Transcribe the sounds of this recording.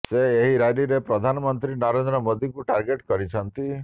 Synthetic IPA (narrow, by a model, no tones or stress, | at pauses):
seːɦiɾajɾiɾepɾɔd̪ʱanɔmɔnt̪ɾinɔɾend̪ɾɔmod̪ikuʈaɾɡeʈkɔɾit͡ʃʰɔnt̪i